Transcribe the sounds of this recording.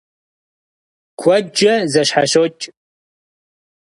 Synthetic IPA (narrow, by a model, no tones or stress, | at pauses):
kʷʰɔd͡ʒɐzɐɕħaɕoːt͡ʃʼ